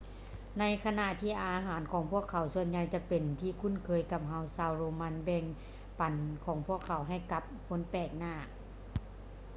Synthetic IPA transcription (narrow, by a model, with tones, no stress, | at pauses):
na˧˥jkʰa˧na˧˨ʔt̪ʰiː˧˥˩ʔaː˧ɦaː˨˦nkʰɔː˨˩˦ŋpʰu˥˩əkʰːa˨˩˦wsu˧ənɲa˧jt͡ɕa˧˥pe˨˩nt̪ʰiː˧˩kʰu˧˥˨nkʰɤː˧jka˧˦p̚ɦa˧wsaː˧wɾoː˧ma˧˥nbɛː˧˩ŋ | pa˨˩nkʰɔː˨˦ŋpʰu˥˩əkʰːa˨˦wɦa˧˩jka˧˦p̚kʰo˧˥˨npɛː˧˩k̚naː˧˩